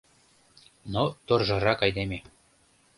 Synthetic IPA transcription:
not̪orʒɤ̆ɾɑkɑjd̪eme

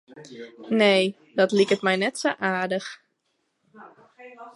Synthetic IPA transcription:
neː | dɔtlikətmɛjnɛtsoʔaːɹdəx

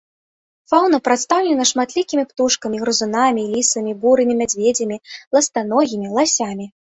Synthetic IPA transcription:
fawnɐpɾat̪st̪awlʲɛnɐʂmat̪lʲikʲimʲipt̪uʂkɐmʲiɣɾɨzunamʲilʲisɐmʲibuɾɨmʲimʲad͡zʲvʲed͡zʲɐmʲilˠɐst̪anɔɣʲimʲilˠasʲamʲi

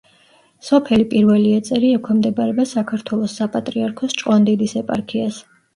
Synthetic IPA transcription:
sɔpʰɛlipʼiɾvɛliɛt̪sʼɛɾiɛkʰwɛmd̪ɛbaɾɛbasakʰaɾt̪ʰwɛlˠɔsːapʼat̪ʼɾiaɾkʰɔst͡ʃʼwand̪ɛd̪isɛpʼa̰ɾkʰias

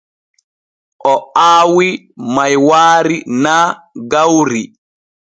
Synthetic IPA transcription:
ʔɔaːwi | majwaːɾinaː | ɡawɾi

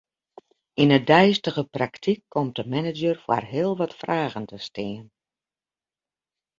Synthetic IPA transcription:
inədɛjstəɣəpraktʰikʰːɔmt̚dəmɛnəd͡ʒərfwa̰rɦɪəlˠʋɔtfraːɣəntʰəstɪən

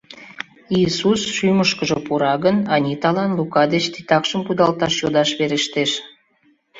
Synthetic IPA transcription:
isusʃyməʃkəʒəpuɾɑɣənɑnʲit̪ɑlɑnlukɑd̪et͡ɕt̪i̥t̪ɑkʃəmkud̪ɑlt̪ɑʃjod̪ɑʃβeɾeʃt̪eʃ

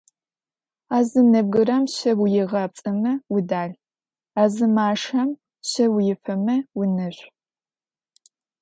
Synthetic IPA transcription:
aːzɨnɐb̚ɡɨɾɐmɕɐwʊjɪʁɐp̚t͡sʼɐmɐwʊdaːɮ | aːzɨmaːʂɐm | ɕɐwʊjɪfɐmɐwʊnɨɕʷ

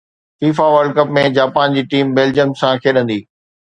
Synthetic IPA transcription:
fiːfaʋəɾɖkəpmẽd͡ʑaːpaːnd͡ʑiːʈiːmbeːld͡ʑəmsãkʰeːɗə̃nd̪iː

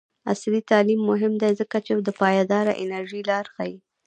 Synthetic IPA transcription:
a̰slit̪ɑlimːʊɦɪmd̪ajzəkat͡ʃed̪əpɑjɑd̪ɑɾa̰ʔɪ̰naɾʒilɑɾxaji

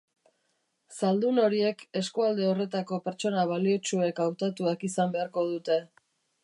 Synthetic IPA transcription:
sald̪uno̞ɾie̞ke̞skuald̪e̞o̞re̞t̪ako̞pe̞ɾt͡ʃo̞naβaliot͡ʃue̞kawt̪at̪uakisambe̞aɾko̞ðut̪e̞

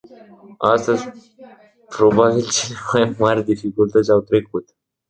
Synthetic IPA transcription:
asəz | pɾobabilt͡ɕinamajmaɾd̪ifikult̪at͡sawt̪ɾekɦut̪

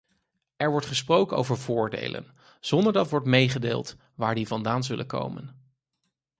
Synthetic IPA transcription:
ɛɹʋɔɹtχəsprowkəno̰wvəɹvʊːɹdḛjlʔə̰n | z̥ɔndəɹdɑtʋɔɹtmejχədḛːlˠt | ʋaːɹdivɑndaːnzɵlʔəko̰wmə̰n

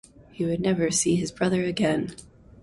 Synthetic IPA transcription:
hiwɨdⁿnɛvə˞siɨzbɹʌðə˞ɨɡɛ̃n

